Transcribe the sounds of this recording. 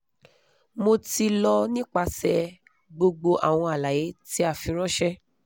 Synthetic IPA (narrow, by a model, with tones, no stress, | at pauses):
mo˧ti˧lɔ˧nĩ˦k͡pa˧sɛ˧ | ɡ͡bo˧ɡ͡bo˧ʔa˨w̃ɔ̃˧a˨la˨je˨˦ti˦a˦˨fĩ˧ɾ̃ɔ̃˦ʃɛ˦